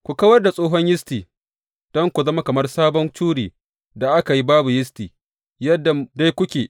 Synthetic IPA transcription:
kʷu˨ka˦wɐ˦rda˨sʼoː˦ɦɔ˦ɲjɪ˦stiː˨ | d̥ɔ˦ŋkʷu˨zɐ˦ma˦kɐ˨mɐ˦rsaː˦bɔ˦nt͡ʃuː˦ɽiː˨ | da˨ʔa˦ka˨ji˦baː˦bu˨jɪ˦stiː˨ | jɐ˦dːa˨da˦jkʷʊ˦kʲeː˨

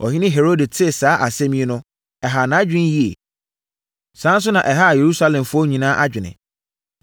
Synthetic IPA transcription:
ɔ̰˨ɦɪ̃˦nɪ̃˦ɦe˨ɾo˦de˨tʰɪ˦˨saː˨˦ʔa˨sɛ̃˦mĩ˦e˦nʊ̃˦ | ɛ˨ɦa˨nã˦d͡ʑᶣɪ̃˦n˦ji˦ḛ˨ | sãː˨˦n̩˦s̬ʊ˦nã˨ʔɛ˨ɦa˦˨je˨ɾu˦sa˦lɛ̃˨mfʊ˦ɔ˦ɲĩ˨nãː˦ʔa˦d͡ʑᶣɪ˨nɪ̰̃˨

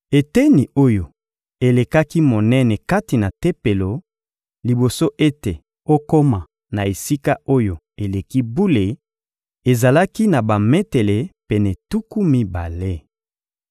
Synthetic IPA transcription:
e˨te˦ni˨o˦jo˨ | e˨le˨ka˦ki˦mo˨nɛ˦nɛ˨ka˦ti˨na˨te˦pe˨lo˨ | li˨bo˨so˦ʔe˦te˨ | o˦ko˦ma˨ | na˨e˨si˦ka˦o˦jo˨ | e˨le˨ki˦bu˦le˨ | e˨za˨la˦ki˦na˨ba˨mɛ˦te˨le˨pe˨nɛ˨tu˦ku˦mi˦ba̰˨le˦

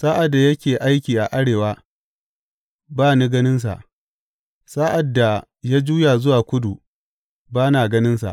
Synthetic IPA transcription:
sa˦ʔa˨dːa˨jɐ˦kʲeː˨ʔa˦jkʲiː˨ʔa˨ʔa˦ɽeː˨waː˦ | baː˦ni˦ɡɐ˦nɪ˦ns̬a̰˨ʔ | sa˦ʔa˨dːa˨ | ja˦d͡ʒuː˦jaː˨zʊ˦waː˨kʷʊ˦du˨ | baː˦naː˨ɡɐ˦nɪ˦nsa̰˨ʔ

